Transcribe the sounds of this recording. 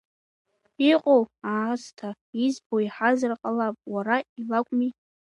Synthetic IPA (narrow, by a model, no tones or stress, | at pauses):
iqʼowaztʰa | izboiħazarqʼalapʼwaɾailakʷʼmi